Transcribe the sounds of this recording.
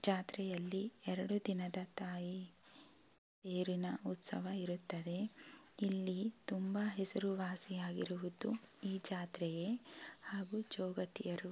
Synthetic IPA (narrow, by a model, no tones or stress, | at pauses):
d͡ʒaːt̪ɾɛjɐlːiɛɾɐɽud̪inɐd̪ɐt̪aːji | seːɾinɐut̪sɐ̰ʋɐiɾut̪ːɐd̪e̞ | ilːit̪umbɐɦɛsɐɾuʋaːsijaːɡiɾuʋud̪uiːd͡ʒaːt̪ɾɛjehaːɡud͡ʒɔːɡɐt̪ijɐɾu